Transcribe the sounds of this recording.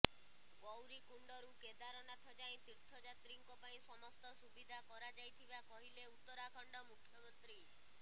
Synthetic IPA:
ɡɔwɾikuɳɖɔɾuked̪aɾɔnat̪ʰɔd͡ʒaĩt̪iɾt̪ʰɔd͡ʒat̪ɾiŋkɔpaĩsɔmɔst̪ɔsubid̪ʱakɔɾad͡ʒajt̪ʰibakɔɦileut̪ːɔɾakʰɔɳɖɔmukʰːjɔmɔnt̪ɾi

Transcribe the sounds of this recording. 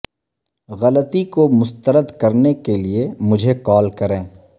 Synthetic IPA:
ɣɐlət̪ikomʊst̪əɾəd̪kɐɾnekeliemʊd͡ʒʱekɔːlkɐɾẽː

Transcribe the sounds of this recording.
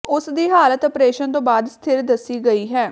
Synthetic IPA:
ʊsd̪iːɦaːlət̪əpɾeːʃənt̪õːbaːd̪st̪ʰɪɾd̪əsːiːɡəiːɦɛː

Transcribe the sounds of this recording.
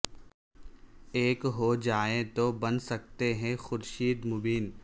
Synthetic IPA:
eːkɦod͡ʒaːẽt̪obɐnsɐk̚t̪eɦɛ̃xʊɾʃiːd̪mʊbiːn

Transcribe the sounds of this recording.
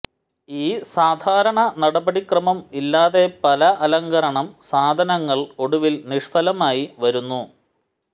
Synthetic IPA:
iːsaːd̪ʱaːɾɐɳɐnɐɽɐbɐɽikrɐmɐmilːaːðe̞pɐlɐʔɐlɐŋɡɐɾɐɳɐmsaːd̪ʱɐnɐŋːɐɭo̞ɽuʋilniʂfɐlɐmaːjiʋɐɾunːu

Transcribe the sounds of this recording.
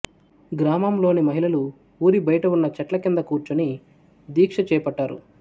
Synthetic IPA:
ɡɾaːmaːmlo̞ːnimɐɦilɐlu | uːɾibɐjɐʈɐunːɐt͡ʃɐʈlɐkind̪ɐkuːɾt͡ʃuni | d̪iːkʂɐt͡ʃɛːpɐʈːaːɾṵ

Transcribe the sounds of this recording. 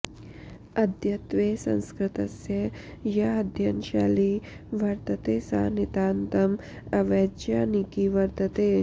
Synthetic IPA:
ɐd̪ʱjɐt̪ʋeːsɐ̰̃nskɾɪt̪ɐsjɐjɐɐd̪ʱjɐnʃa̰ːli | ʋɐɾt̪ɐt̪eːsa̰ːnit̪aːnt̪ɐm | ɐʋeːd͡ʒjaːnikiʋɐɾt̪ɐt̪eː

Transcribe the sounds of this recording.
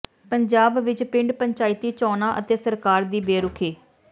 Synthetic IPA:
pəɲd͡ʒaːbʋɪt͡ʃpɪ̃ɳɖpəɲt͡ʃaːɪt̪ːiːt͡ʃɔːnaːʔə̰t̪eːsəɾkaːɾd̪iːbeːɾʊkʰeː

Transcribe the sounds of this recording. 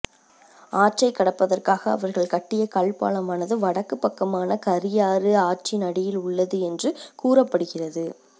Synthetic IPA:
aːʈ̚t͡ʃɐɪkːɐɽɐpːɐðɐrkaːɣɐ̰ːʋɐɾɣɐɭkɐʈːɪjɐkɐɭpa̰ːɭɐmaːnɐðɯʋɐɽɐkːɯpːɐkːɐmaːnɐkɐɾɪjaːɾɯaːʈ̚t͡ʃinɐɽɪjɪlʊɭːɐðɯɛndrɯkuːrɐpːɐɽɯɣɪrɐðɯ

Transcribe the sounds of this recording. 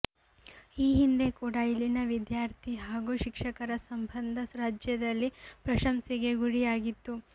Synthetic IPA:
iːɦind̪e̞kuːɽɐilːinɐʋid̪jaːɾt̪ʰiɦaːɡuːʃikʂɐkɐɾɐsɐmbʱɐnd̪ʱɐɾaːd͡ʒjɐd̪ɐlːipɾɐʃɐmsiɡe̞ɡuɽijaːɡit̪ːu

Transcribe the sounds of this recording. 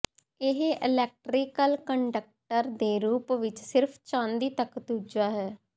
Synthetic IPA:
ɪɦʔɪlɛːk̚ʈɾiːkəlkəɳɖək̚ʈəɾd̪eːɾuːpʋɪt͡ʃsɪɾpʰt͡ʃãːnd̪iːt̪əkt̪uːd͡ʒaːɦɛː

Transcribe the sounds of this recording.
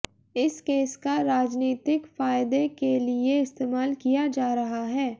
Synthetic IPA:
ɪskeːskaɾaːd͡ʒniːt̪ɪkfaːjd̪ekelieɪst̪eːmaːlkijad͡ʒaːɾɐɦaɦɛː

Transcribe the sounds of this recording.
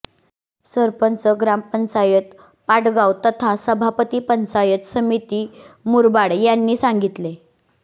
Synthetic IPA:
səɾpənt͡səɡɾampənt͡sajət̪ | paʈɡawt̪ət̪ʰasəbʱapət̪iːpənt͡sajət̪səmit̪iːmuɾbaɽjanːiːsãŋɡit̪le

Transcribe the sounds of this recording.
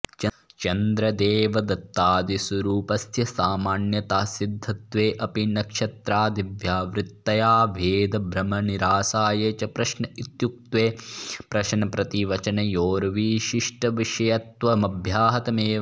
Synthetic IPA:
t͡ʃɐ | t͡ʃɐnd̪ɾɐd̪eːʋɐd̪ɐt̪ːaːd̪isɐɾuːpɐsjɐsaːmaːnjɐt̪aːsid̪ʱːɐt̪ʋeːʔɐpinɐkʃɐt̪ɾaːd̪iʋjaːʋɾɪt̪ːɐjaːʋʱeːd̪ɐbʱɾɐmɐniɾaːsaːjeːt͡ʃɐpɾɐʃnɐit̪juk̚t̪ʋeːpɾɐʃnɐpɾɐt̪iʋɐt͡ʃɐnɐjoːɾɐʋiːʃiʂʈɐʋiʂɐjɐt̪ʋɐmɐbʱjaːɦɐt̪ɐmeː

